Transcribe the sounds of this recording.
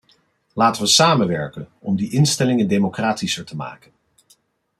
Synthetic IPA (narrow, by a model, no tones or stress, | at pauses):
laːtəʋəsaːmənʋɛ̰ɹkənɔ̰mdiʔɪnstɛlɪŋəndemokraːtisəɹtəma̰ːkən